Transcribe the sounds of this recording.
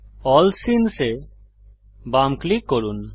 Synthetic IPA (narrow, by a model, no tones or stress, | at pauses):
ɔlsinse | bamklikːoɾun